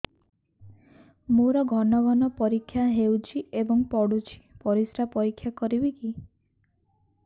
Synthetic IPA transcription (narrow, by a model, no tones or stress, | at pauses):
moɾɔɡʱɔnɔɡɔnɔpɔɾikʰːjaɦewt͡ʃʰiebɔŋpɔɽut͡ʃʰi̥pɔɾisɾapɔɾikʰːjakɔɾibiki